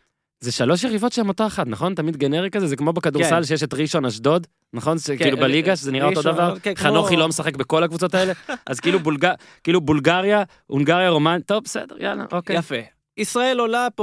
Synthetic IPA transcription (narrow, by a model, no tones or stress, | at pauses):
ze̞ʃalo̞ʃ̬jeʁivo̞tʃehemo̞t̪oaχat̪naχo̞nt̪amid̪ɡe̞ne̞ʁikazezekmobekad̪uʁssalʃejeʃetʁiʃonaʃd̪o̞d̪ | naχo̞nʃekilubeliɡaʃezeniʁaotod̪avaʁχannoχilomesaχekbekolakvut͡so̞t̪aeleʔazkiilubulɡa | kiiːlubulɡaʁja | uŋɡaʁjaʁo̞mant̪ovbesḛd̪eʁja̰la̰ʔokejfe | isʁaelolap